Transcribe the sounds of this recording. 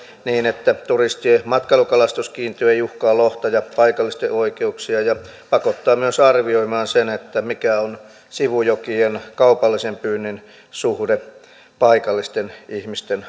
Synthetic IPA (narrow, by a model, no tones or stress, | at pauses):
niːnet̪ːæt̪urist̪iemɑt̪kɑlukɑlɑst̪uskiːnt̪yeijuhkɑːlloht̪ɑjɑpɑikɑlːist̪eʔoikeuksiɑjɑ | pɑkot̪ːɑːmyøsɑrʋioimɑːnsenet̪ːæmikæon | siʋujokienkɑupɑlːisempyːnːin | suhde | pɑikɑlːist̪enihmist̪en